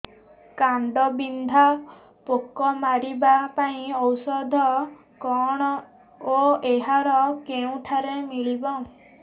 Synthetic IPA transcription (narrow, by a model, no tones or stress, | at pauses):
kaɳɖɔbind̪ʱa | pokɔmaɾibapaĩɔwsɔd̪ʱɔ | kɔɽ̃ɔ | oeɦaɾɔkeũʈʰaɾemilbɔ